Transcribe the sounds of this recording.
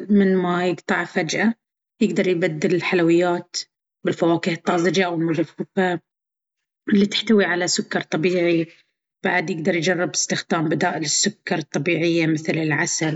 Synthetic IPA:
mɪnmajɪɡt̪ˤɑʕfad͡ʒʔa | jɪɡd̪ɑɾˤjbad̪ːɪlɪlħalawɪjːaːt̪ | bɪlfawaːkiːhɨt̪ˤːɑːzˤɪd͡ʒaʔawɪlmʊðafːʊfa | ɪlːit̪ɪ̥ħt̪awiʕalasʊkːɑɾˤt̪ˤːɑbiːʕi | b̥aʕd̪jɪɡ̚d̪ɑɾˤjd͡ʒɑrˤːɪbɪ̥st̪ɪxd̪aːmbɪd̪aːʔɪlɪsːʊkːɑɾˤɨt̪ˤːɑbiːʕɪjːamɪθlɪlʕasal

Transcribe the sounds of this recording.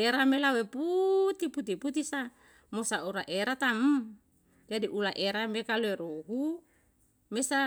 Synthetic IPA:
eɾamelaweput̪iput̪iput̪isa | mosauɾaʔeɾat̪amm | d͡ʒadiʔulaʔeɾamekaloeɾoɦu | mesa

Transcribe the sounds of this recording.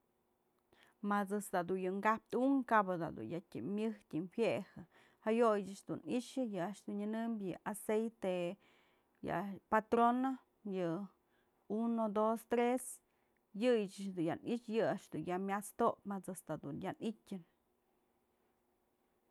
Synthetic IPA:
mat͡sɨsd̪ad̪unjɨŋɡap̚t̪uŋkabɨd̪a̰d̪ṵnjatʲɨ̰mʲɨht̪ʲɨnhjehɨ | hajojɨt͡ʃɨt͡ʃd̪ṵniʃɨjɨaʔʃd̪unɲɨnɨmbjɨʔasejt̪e | ja̰pat̪ɾono | jɨ | unod̪ost̪ɾes | jɨjɨt͡ʃɨt͡ʃd̪unja̰nʔit͡ʃjɨaʔʂd̪unjamʲjat͡st̪opmat͡sɨsd̪ad̪unjanitʲɨn

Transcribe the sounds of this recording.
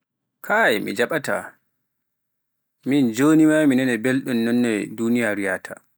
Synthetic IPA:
kʰajɛmḭd͡ʒaɓata̰ | mind͡ʒoːnimaminanɛbelɗunːɔnːɛdunijaɾijaːtʰa̰

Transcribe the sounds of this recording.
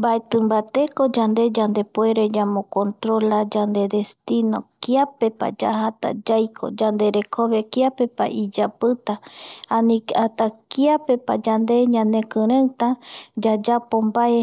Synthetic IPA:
mbaet̪ɨmbat̪ekod͡ʒand̪e̞d͡ʒand̪epoeɾed͡ʒamõkont̪ɾolad͡ʒand̪ed̪est̪inokiapepa̰d͡ʒahat̪a̰d͡ʒajkʰo̰d͡ʒand̪e̞ɾekʰoβekiapepa̰ʔid͡ʒapɨt̪aanĩkat̪akiapepa̰d͡ʒand̪eɲãnẽkɨɾẽt̪ad͡ʒad͡ʒapombae

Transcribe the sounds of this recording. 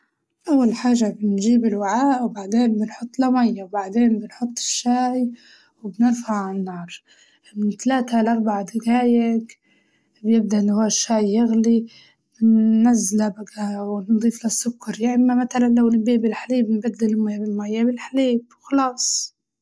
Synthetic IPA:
ʔawːalħaːʒabɪnʒiːbɪlwaʕaːʔwbaʕd̪eːnbɪnħʊt̪ˤːlamajːawbaʕd̪eːnbɪnħʊt̪ˤːɪ̥ʃːaːj | wbnɪɾfaʕʕaanːɑːɾˤ | mɪnt̪alaːt̪alʔɑɾbaʕd̪ɪɡaːjak | bjɪb̚d̪aʔnwaːʃːaːjːɪɣli | bɪnːazːɪlabaɡawɪnd̪ˤiːflasːʊkːɑɾˤjaʔɪmːamat̪alanlawlbeːʔbɪlħaliːbɪnbad̪ːɪlmajabɪlmajːabɪlħaliːbwxɑlɑːsˤ

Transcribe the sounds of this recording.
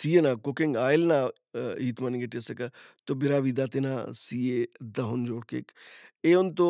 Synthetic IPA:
siːenaːkʊkɪŋɡaːɪlnaː | iːt̪maniɡeʈesəkat̪obɪɾaːʋid̪aːt̪enaːsiːeːd̪ɐɦʊnd͡ʒoːɽkḛːkeːʊnt̪o

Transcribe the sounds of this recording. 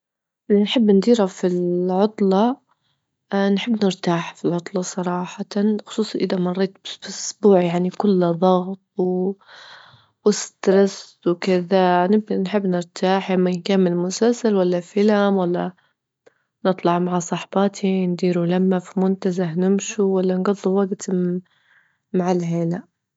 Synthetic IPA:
ʔɪlnħɪbːnd̪iːɾhafilʕʊt̪ˤlɑ | nħɪbːnɪɾt̪aːħfilʕʊt̪ˤlɑsˤɑɾˤɑːħɑxʊ̥sˤuːsˤɑʔɪd̪amɑrˤːeːt̪̚bbɪʔʊsbuːʕjaʕnikʊlːðˤɑɣt̪̚ˤw | wɪst̪ɾaswkɪðanɪbnħɪbːnɪɾt̪ʰaːħʔɪmːankaːmːɪnmʊsalsalwalːafɪlamwalːa | nɨt̪ˤlɑʕmaʕasˤɑħbɑt̪ʰind̪iːɾulamːafimʊnt̪azahnɪmʃuwalːanɡɑd̪ˤːuwaɡt̪ | maʕalheːnaʔ

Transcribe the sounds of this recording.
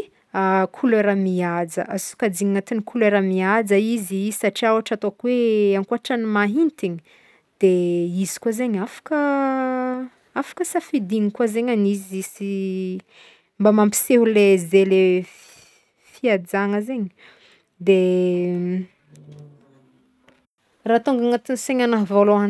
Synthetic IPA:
akʰuleɾamiad͡zə̰ʔasu̥kad͡ziɲŋat̪inikʰuleɾamiad͡zəizizisaʈ͡ʂiawaʈ͡ʂat̪okweaŋkuaʈ͡ʂanimaɦint̪iɲi̥ | d̪̥eizi̥kwazeɲafḁkə | afḁkəsafid̪iŋikwazeɲanizisi | mbamampi̥seɦulezele | fiad͡zaŋəzeɲi | d̪e | rat̪uŋɡaŋat̪iniseɲanaɦvoloan

